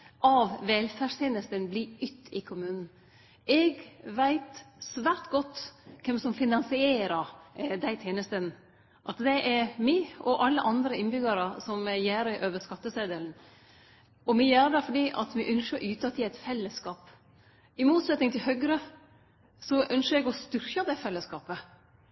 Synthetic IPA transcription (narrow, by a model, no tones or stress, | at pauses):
ʔɑʋʋɛlfæʂt̪ʰeːnəst̪ənbliʏt̪ːɪkʰʊmʉːnn̩ | ɛɡʋæɪt̪sʋæːɾt̪ɡɔt̪ːkʰɛmsɔmfɪnɑnsɪeːɾəɾd̪æɪt̪ʰjeːnəst̪ən | ʔɑt̪d̪ɛʔɛɾmɪʔɔʔɑlːəʔɑnd̪ɾəɪnbʏɡɑɾəsɔmjæːɾəʔøːʋəskɑt̪ːəseːd̪əln̩ | ɔmɪjæːɾəd̪ɛfɔɖiːʔɑt̪ʋɪʔœnʃəɾʔʉːt̪ɑt̪ʰːɪæɪt̪fɛlːəskɑːp | ɪmuːt̪sɛt̪nɪŋt̪ʰɪlɦœɡɾə | sɔʔœnʃəɾɛɡɔst̪ʏɾkəd̪æfɛlːəskɑːpə